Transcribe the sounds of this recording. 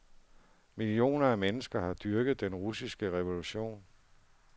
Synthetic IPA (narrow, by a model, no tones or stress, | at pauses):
milio̝̰ːnɐæmenəsɡ̥ɐhɑ̈d̥yɐɡ̥ð̞̩ˠd̥enʁusisɡ̥əʁɛʋo̝luɕo̝̰ːn